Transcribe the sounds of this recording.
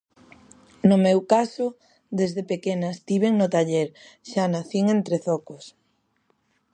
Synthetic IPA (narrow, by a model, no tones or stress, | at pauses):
nʊmewkasʊ | ðezðepekenast̪iβ̞eŋnʊt̪aʎeɾʃanaθiŋent̪ɾeθɔkʊs